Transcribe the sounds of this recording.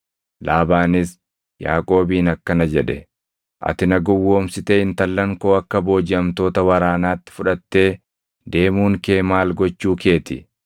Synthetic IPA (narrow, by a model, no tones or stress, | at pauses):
laːbaːnɪs | ja̰ːkʼo̞ːbiːnɐkːɐnɐd͡ʒɛᶑɛ | ʔɐ̰t̪ɪnɐɡɔwːo̞ːmsɪt̪ɛɪnt̪ɐlːɐŋko̞ːɐkːɐbo̞ːd͡ʒɪɐmt̪o̞ːt̪ɐwɐɾaːnaːt̪ːɪ̥fʊᶑɐt̪ːe̞ː | d̪e̞ːmuːŋke̞ːmaːlɡɔt͡ʃːuːke̞ːt̪ɪ